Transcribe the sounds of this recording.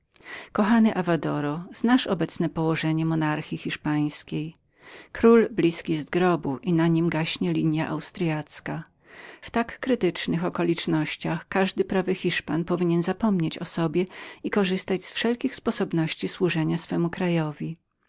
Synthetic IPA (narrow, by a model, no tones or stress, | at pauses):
kɔxanɘʔavad̪ɔɾɔz̥naʂɔbɛt̪snɛpɔwɔʐɛɲɛmɔnaɾxʲixʲiʂpaj̃skʲej | kɾulblʲiskʲijɛzt̪ɡɾɔbuʔinaɲimɡaɕɲɛlʲiɲja̰ʔa̰wst̪ɾjat̪ska | ft̪akːɾɘt̪ɘt͡ʂnɘxɔkɔlʲit͡ʂnɔɕt͡ɕaxkaʐd̪ɘpɾavɘxʲiʂpanpɔvʲiɲɛnzapɔmɲet͡ɕɔsɔbʲjɛikɔʐɘst̪ad͡ʑsfʂɛlkʲixspɔsɔbnɔɕt͡ɕiswuʐɛɲasfɛmukɾajɔvʲi